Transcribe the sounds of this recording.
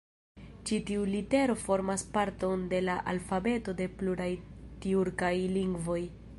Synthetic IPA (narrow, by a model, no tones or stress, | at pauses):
t͡ʃitiulite̞ɾo̞fo̞ɾmaspaɾto̞nde̞laʔalfabe̞to̞de̞pluɾajtiuɾkajliŋɡvo̞j